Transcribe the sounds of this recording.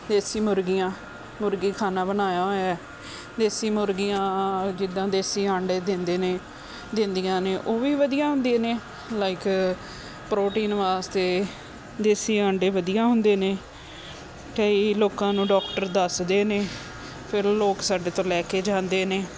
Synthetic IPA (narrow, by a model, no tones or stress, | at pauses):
d̪eːsiːmʊɾɡijãː | mʊɾɡiːkʰaːnaːbənaːjaːɦoːɛː | d̪eːsiːmʊɾɡijãːd͡ʒɪd̪ːãːd̪eːsiːəɳɖeːd̪ɪnd̪eːneː | d̪ɪ̃nd̪ijãːneːʔoːʋiːʋəd̪ijãːɦʊ̃nd̪eːneː | laːɪk | pɾoːʈiːnʋaːst̪eː | d̪eːsiːə̃ːɳɖeːʋəd̪ijãːɦʊnd̪eːneː | kəiːloːkãːnũːɖɔːkʈəɾd̪əsd̪eːneː | pʰɪɾloːksaːɖeːt̪õːlɛːkeːd͡ʒãːnd̪eːneː